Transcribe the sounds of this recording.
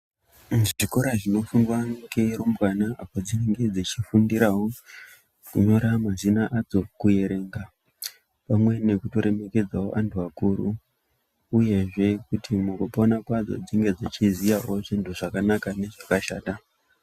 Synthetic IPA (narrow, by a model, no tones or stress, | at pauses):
ʐiʐiko̞ɾaʐino̞fundwaŋɡe̞ɾumbwanaapo̞d͡zine̞ŋɡe̞d͡zit͡ʃifundiɾawo | kuɲo̞ɾamazinaʔad͡zo̞kuje̞ɾe̞ːŋɡa | pamwe̞ne̞kuto̞ɾʔe̞me̞ke̞d͡zao̰ʔantʰuakuɾu | uje̞ʐe̞kutimukupaonakwad͡zo̞̰d͡ziŋɡe̞d͡zit͡ʃizijaʔo̞ʐintʰuʐakanakane̞ʐakaʃa̰ːta